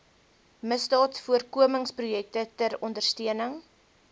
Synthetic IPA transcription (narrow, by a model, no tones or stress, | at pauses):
məstɑːtfuərkuəməŋsprujɛk̚tətərɔndərstiənəŋ